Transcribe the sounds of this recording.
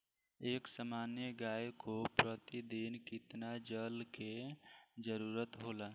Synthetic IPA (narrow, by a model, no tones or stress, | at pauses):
eːksamaːnjəɡaːjkopɾət̪id̪inkɪt̪nad͡ʒəlke | d͡ʒəɾuːɾət̪ɦoːlaː